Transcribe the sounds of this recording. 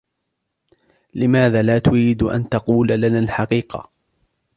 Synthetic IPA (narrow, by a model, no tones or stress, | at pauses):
lɪmaːðaːlaːt̪ʊɾiːd̪ʔa̰nt̪ɑquːlalanaːlħɑqiːqɑ̰